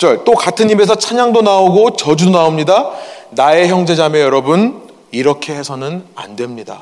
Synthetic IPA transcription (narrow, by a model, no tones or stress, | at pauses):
t͡ɕʌɭt͈okatʰɯɲime̞s̬ʰʌt͡ɕʰaɲaŋdonaoɡot͡ɕʌd͡ʑudonaomɲidanae̞çjʌŋd͡ʑe̞d͡ʑame̞jʌɾʌbun | iɾʌkʰeɦe̞sʰʌnɯna̰ndwe̞mɲida